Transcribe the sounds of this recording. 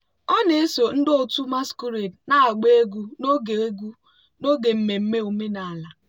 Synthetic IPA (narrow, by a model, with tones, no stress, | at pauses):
ɔ˦ne˨e˦so˨n̩˦do˨tu˦ma˦sku˦ɾe˨dna˦a˨ɡ͡be˦e˦ɡʷu˦no˦ɡe˨e˦ɡʷu˦ | no˦ɡe˨m̩˨me˨m̩˦me˦u˨me˦na˨a˨la˨